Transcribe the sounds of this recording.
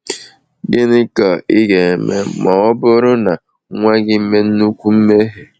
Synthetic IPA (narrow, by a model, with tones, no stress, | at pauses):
ɡɪ˦nɪ˦ka˨ɪ˦ɡe˨me˦mɔ˨ɔ˦bʊ˦ɾʊ˦na˨ | ŋʷa˦ɡɪ˦m̩˦me˦n̩˦nu˦kʷu˦m̩˦me˦ɦe˨